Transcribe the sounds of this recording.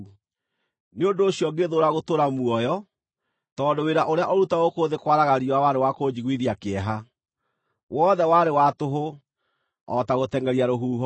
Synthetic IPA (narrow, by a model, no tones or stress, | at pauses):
neondoːɕjɔɡeðoɾaɣotoɾamuɔjɔ | tɔːndoweɾaʔoɾeaʔoɾutaɣokoːðekwaɾaɣaɾiowawaɾewakod͡ʑiɣwiðiakeɛɦa | wɔðɛwaɾewatoɦo | ɔtaɣotɛŋɡɛɾiaɾoɦuːɦɔ